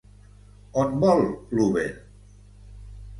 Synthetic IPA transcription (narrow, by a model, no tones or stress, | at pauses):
ɔnbɔlklube